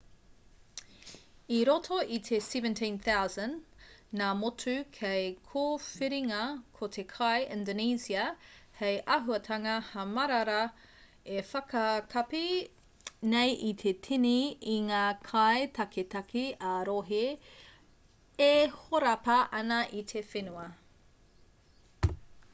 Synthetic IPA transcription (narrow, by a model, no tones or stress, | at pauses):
iɾotʰoʔit̪ʰesɛvə̃ntʰĩnθawzɐ̃nnaːmotʰʉkʰejkʰoːfiɾiŋɐkʰotʰekʰɐjʔɪ̃ndoniːsiɐhejʔɐɦuɐtʰɐŋɐhɐmɐɾɐɾɐ | efɐkɐkʰɐpi | nejʔit̪ʰetʰiniiŋaːkʰajtʰɐkʰetɐkʰiɐɾoɦi | ehoɾɐpɐʔɐnɐʔit̪ʰefenuɐ